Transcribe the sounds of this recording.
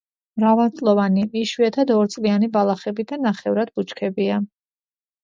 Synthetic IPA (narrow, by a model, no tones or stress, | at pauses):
mɾavalˠt̪sʼlˠɔvaniiʃwiɛt̪ʰad̪ɔɾt̪sʼlianibalˠaχɛbid̪anːaχɛvɾad̪̚but͡ʃkʰɛbia